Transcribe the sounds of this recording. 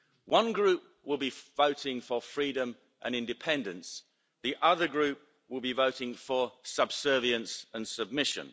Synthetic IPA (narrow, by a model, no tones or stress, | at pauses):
wʌ̃nɡɹʉˑp̚wɪlˠbivəʊtɪ̃ŋfəfɹiːdə̃m | ʔə̰̃nɪ̃ndɨpʰɛ̃ndə̃ns | ðiʔʌðəɡɹʉˑp̚ | wɪlˠbivəʊɾɪ̃ŋfəsəb̥sɜːviə̃nsə̃nsəb̚mɪʃə̰̃n